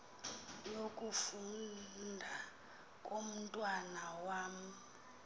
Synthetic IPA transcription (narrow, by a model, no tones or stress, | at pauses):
jokʼufundʱa | kʼom̩tʼwanawaːm̩